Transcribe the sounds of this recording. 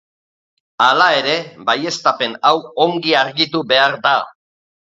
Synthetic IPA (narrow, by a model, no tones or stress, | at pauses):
alae̞ɾe̞baje̞st̪ape̞nawo̞ŋɡiaɾɣit̪uβe̞aɾd̪a